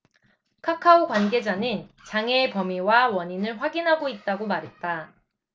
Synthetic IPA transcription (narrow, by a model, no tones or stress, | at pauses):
kʰakʰaoɡwanɡe̞d͡ʑanɯnt͡ɕaŋeːpʌmiwawʌɲinɯɭɸwaɡinɦaɡoit̚t͈aɡomaɾɦe̞t̚t͈a